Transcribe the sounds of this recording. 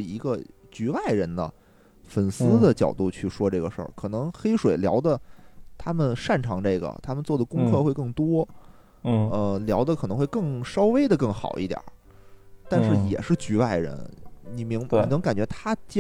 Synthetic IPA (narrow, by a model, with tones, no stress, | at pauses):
i˧˥ɡə˧ | t͡ɕy˧˥wa˥˩ɪɻə˧˥nd̪ə̰˧ | fə˨˩nsɹ̩˥d̪ə˨t͡ɕjɑ˨˩ʊt̪u˥˧t͡ɕʰy˥˩ʂwɔ˥ʈ͡ʂɤ˥˩ɡə˩ʂə̰˞˥˩kʰɤ˨˩nɤ˧˥ŋxe˥ɪʂwe˨˩ɪljɑ˧˥ʊd̪ə˧t̪ʰa˥mə˨nʂa˥˩nʈ͡ʂʰɑ˧˥ŋʈ͡ʂɤ˥˩ɪɡə̰˩t̪ʰa˥mə˨nt͡swɔ˥˩d̪ə˩kʊ˥ŋkʰɤ˥˧xwe˥˧ɪkɤ˥˩ŋt̪wɔ˥˧ | ə˧ljɑ˧˥ʊd̪ə˧kʰnɤ˧˥ŋxwe˥˧ɪkɤ˥˩ŋʂɑ˥ʊwe˥ɪd̪ə˨kɤ˥˩ŋxɑ̰˨˩ʊḭ˥˩t̪jɑ̰˨˩˦ | t̪a˥˧nʂɻ̩˥˩jɛ̰˨˩ʂɻ̩˥˩t͡ɕy˧˥ʋa˥˩ɪɻə̰˧˥nni˨˩mi˧˥ŋ˧i˧˨˩nɤ˧˥ŋka˨˩nt͡ɕɥɛ˧˥t̪ʰa˥t͡ɕ